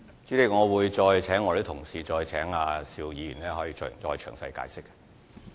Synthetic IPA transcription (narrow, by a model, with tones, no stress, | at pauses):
t͡si˨˥le˧ŋɔː˨˧wuː˨˧jt͡ʃɔː˧jt͡sʰɛː˨˥ŋːɔ˨˧le˦˥t̪ʰʊ˨˩ŋsiː˨t͡ʃɔː˧jt͡sʰɛː˨˥ŋaː˧siː˧wjiː˨˧jyː˨˩nlɛː˥hɔː˨˥jiː˧t͡ʃɔ˧˨t͡ʃɔː˧jt͡ʃʰœ̰ː˨˩ŋsɐ̰˧jka̰ː˨˥jsɪ˥k̚ː